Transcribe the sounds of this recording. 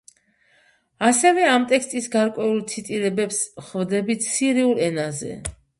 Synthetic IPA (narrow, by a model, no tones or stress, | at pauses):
asɛvɛamt̪ʼɛkst̪ʼisɡaɾkʼwɛulˠt̪sʰit̪ʼiɾɛbɛpsχvd̪ɛbit̪ʰsiɾiulɛnazɛ̰